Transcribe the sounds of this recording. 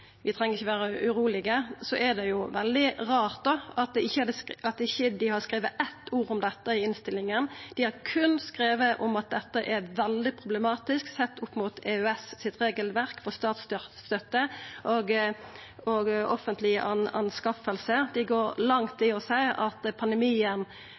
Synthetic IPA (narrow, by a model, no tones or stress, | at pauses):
ʋɪt̪ʰɾɛŋːəʁɪçːəʋæːɾəʉɾuːlɪɡəsɔʔɛd̪ɛjʊʋɛld̪ɪɾɑːʁt̪̚d̪ɔɑt̪̚d̪ɛɪçːəhɑd̪əɑt̪ɪçːəd̪ɪhɑɾskɾeːʋəʔɛt̪ːuːɾʊmd̪ɛt̪ːəɪɪnst̪ɪlːɪŋənd̪̥ɪhɑɾkʰʉnskɾeːʋəʔɔmɑt̪̚d̪ɛt̪ːəʔɛɾʋɛld̪ɪpʰʁʊbləmɑːt̪ɪsksɛt̪ːʊpːmʊt̪ɛːøɛssɪt̪ɾeːɡəlʋæɾkfɔst̪ɑːt̪st̪st̪œt̪ːəʔoɡ | ɔɡɔfənt̪lɪə̰ʔɑnɑ̰nskɑfəlsəd̪̥ɪɡoːɾlɑŋt̪ʰɪɔsæɪɑt̪pʰɑnd̪əmiːən